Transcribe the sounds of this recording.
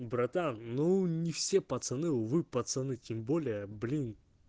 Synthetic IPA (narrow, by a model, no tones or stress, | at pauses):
bɾɐt̪anːunʲɪfsʲepɐt̪sɨnɨʊvɨpɐt̪sɨnɨtʲɪmbolʲɪjəblʲin